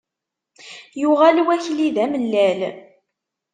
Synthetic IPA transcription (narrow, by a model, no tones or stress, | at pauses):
jʊʁælwæçliðæməlːæl